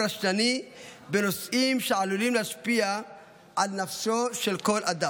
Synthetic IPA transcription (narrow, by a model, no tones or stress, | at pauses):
aʃtanibenosʔimʃeʕalulimleʃpia | ʕalnafsoʃelko̞lʔad̪a